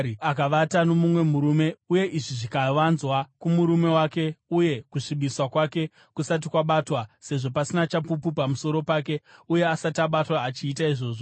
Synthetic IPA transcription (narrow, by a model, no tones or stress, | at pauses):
akaʋatanomumwe̞muɾume̞uje̞ʔiʐiʐikaʋanzwakumuɾume̞wake̞uje̞kuʂiɓiswakwake̞ | kusat̬ikwaɓatwase̞ʐo̞pasinat͡ʃapupupamuso̞ɾo̞paːke̞uje̞asataɓatwaːt͡ʃiːtaiʐo̞ːʐo